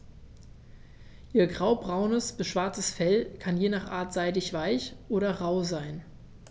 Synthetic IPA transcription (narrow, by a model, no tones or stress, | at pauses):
ʔiːɐɡʁaʊbʁaʊnəsb̥əʃv̥aɐt͡səsfɛlkʰanjeːnaːχʔa̰ːɐtz̥aɪdɪçv̥aɪçʔoːɾɐʁaʊzaɪn